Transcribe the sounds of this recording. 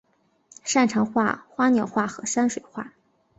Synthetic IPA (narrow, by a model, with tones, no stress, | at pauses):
ʂa˥˩nʈ͡ʂʰɤ˧˥ŋxwa̰˥˩xwa˥njɑ˨˩ʊxwa˥˩xɤ˧˥ʂa˥nʂwe˨˩ɪxwa̰˥˩